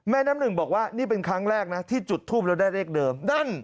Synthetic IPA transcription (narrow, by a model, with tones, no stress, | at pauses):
mɛː˧˥˩naː˦˥mnɯ˨˩ŋbɔː˨˩k̚waː˥˩niː˥˩p̬e˧nkʰɾa˦˥ŋɾɛː˥˩k̚na˦˥t̪ʰiː˥˩t͡ɕu˨˩t̪ʰːuː˥˩p̚ɾɛː˧˥wdaː˥˩jɾeː˥˩k̚dɤː˧mda˥˩n